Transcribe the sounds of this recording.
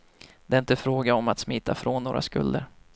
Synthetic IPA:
d̪ɛɪnt̪əfɾoːɡaɔmat̪smiːt̪ʰːafɾɔnːoːɾʔa̰skɵ̰ld̪ə̰ɾ

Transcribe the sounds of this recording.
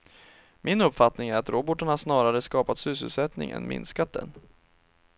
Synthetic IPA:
mɪnɵpfat̪nɪŋæɾat̪ɾoːbɔʈːaɳhaʂnɑːɾaɾəskɑːpat̪sy̟ːs̬əlsɛt̪nɪ̰ŋʔɛ̰nmɪ̰nskat̪̚d̪ɛ̰n

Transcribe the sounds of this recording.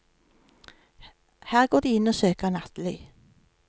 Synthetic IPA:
hæːʁɡoːʁd̪iːɪnoːsøːkəʁnɑt̪lœʏ

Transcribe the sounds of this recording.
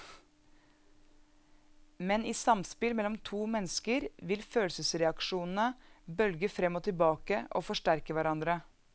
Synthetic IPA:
mɛniːsɑmspɪlmɛlːɔmt̪ʰuːmɛnəskəɾʋɪlføːlsəsɾɛɑkʃuːnn̩əbœlɡəfɾɛmːoːt̪ʰɪlbɑːkəʔo̰ːfɔʂʈæɾkəʋæɾɑnd̪ɾə

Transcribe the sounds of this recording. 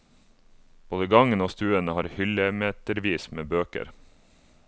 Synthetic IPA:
b̥oːd̪əɡɑŋənoːst̪ʉːənəhɑːɾhʏləmeːt̪əɾʋiːsmeːbøːkə̰ɾ

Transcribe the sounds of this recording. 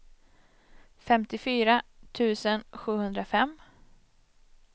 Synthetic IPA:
fɛmt̪ɪfyːɾat̪ʰʉ̟ːsənɧʉ̟ːhɵnd̪ɾafɛmː

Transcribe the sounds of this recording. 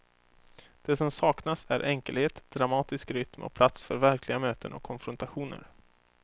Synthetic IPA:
d̪̥ɛsɔmsɑːknasæɾʔɛŋkəlheːt̪d̪̥ɾamɑːt̪ɪskɾʏt̪mʔɔ̰pʰlat̪sfœɾvæɾkʰlɪɡamøːt̪ənɔ̰kʰːɔnfɾɔnt̪aɧuːnə̰ɾ

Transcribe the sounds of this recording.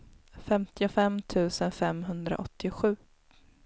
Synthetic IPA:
fɛmt̪ɪʊfɛmːt̪ʰʉ̟ːsənfɛmɦɵnd̪ɾa̰ʔɔt̪ʰːɪɧʉ̟ː

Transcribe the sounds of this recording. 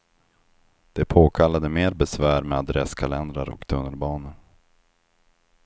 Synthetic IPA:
d̪̥ɛpʰoːkʰalːad̪əmeːɾbɛsvæːɾmɛad̪ɾɛskʰalɛnd̪ɾaɾɔ̰kt̪ʰɵnːəlbɑːnən

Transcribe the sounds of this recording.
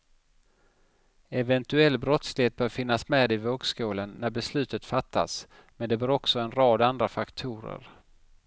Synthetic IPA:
ɛvɛnt̪ɵɛlːbɾɔt̪slɪheːt̪̚bœːɾfɪnːasmɛːd̪ɪvøːɡskuːlənːæɾbɛslʉ̟ːt̪ət̪fat̪ʰːa̰s | mɛnd̪ɛbœːɾɔksɔɛnɾɑːd̪and̪ɾafakt̪ʰuːɾə̰ɾ

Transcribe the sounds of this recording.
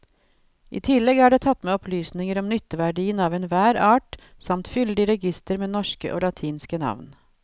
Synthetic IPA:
ʔḭːt̪ʰɪlːɛɡæːɖeːt̪ʰɑt̪ːmeːɔplyːsnɪŋəɾɔmnʏt̪ːəʋæɖiːənɑːʋɛnʋæːɾɑːʈ | sɑmt̪fʏld̪ɪɾɛɡɪst̪əɾmeːnɔʂkə̰ʔo̰ːlɑt̪ʰiːnskənɑ̰ʋn

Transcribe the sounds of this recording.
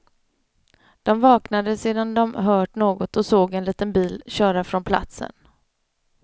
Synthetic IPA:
d̪̥ɔmvɑːknad̪əseːd̪and̪ɔmɦœːʈɳoːɡɔt̪ɔsoːɡɛnliːt̪ənbiːlɕœːɾafɾɔnpʰla̰t̪sə̰n

